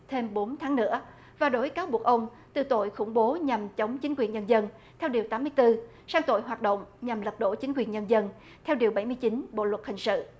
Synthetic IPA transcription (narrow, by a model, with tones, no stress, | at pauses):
t̪ʰe˧mɓo˨˦nt̪ʰaː˨˦ŋnɨ̰˧˥ə | vaː˨˩ɗo˨˦jkaː˨˦wɓu˨˩ək̚ʔə˧wŋ͡m | t̪ɨ˨˩t̪o̰˧˨jxʊ˧˩ŋ͡mɓo˨˦ɲa˨˩mt͡ɕə˨˦wŋ͡mt͡ɕï˨˦ŋ̟kwi˨˩ənɲə˧nzə˧n | t̪ʰɛ˧wɗi˨˩əwt̪aː˨˦mɨ˧əjt̪ɨ˧ | saː˧ŋt̪o̰˧˨jɦaː˨˩t̚ɗə̰˧˨wŋ͡mɲa˨˩mlə˨˩p̚ɗo̰˧˩t͡ɕï˨˦ŋ̟kwi˨˩ənɲə˧nzə˧n | t̪ʰɛ˧wɗi˨˩əwɓa˧˩jmɨ˧jt͡ɕï˨˦nɓo̰˧˨lwə˨˩t̚hï˨˩ŋ̟sɨ̰˧˨